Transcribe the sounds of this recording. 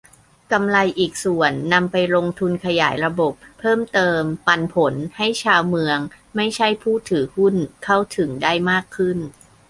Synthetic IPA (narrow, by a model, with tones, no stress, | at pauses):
ka˧mla˧jʔiː˨˩k̚su˨˩ənːa˧mpa˧jɾo˧ŋt̪ʰu˧nkʰa˧ja̰ː˩˦jɾa˧bo˨˩p̚ʰːɤː˥˩mt̪ɤː˧mpa˧npʰo˩˦nha˥˩jt͡ɕʰaː˧wmɯ˧əŋ | ma˥˩jt͡ɕʰa˥˩jpʰuː˥˩t̪ʰɯː˩˦hu˥˩nkʰa˥˩wt̪ʰɯ˩˦ŋdaː˥˩jmaː˥˩kʰːɯ˥˩n